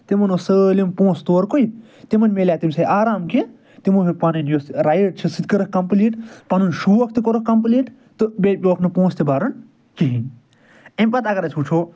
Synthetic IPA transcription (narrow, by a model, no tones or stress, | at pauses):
t̪imɐnosəlimpõːst̪oːɾkoi | t̪imɐnmelʲaːt̪imsɐjʔaːɾaːmki | t̪imuipanɐnjosɾajiʈ̚t͡ʃʰisɨt̪̚kəɾɐkkɐmpliːʈpɐnunʃuːɐkʰt̪ikoɾɐk̚kɐmpliːʈ | t̪ɨbeːʈpʲoʋɐkʰnɨpõːst̪ibaːɾɐn | kiɦin | empɐt̪ɐɡɐɾɐsʲput͡ʃʰoː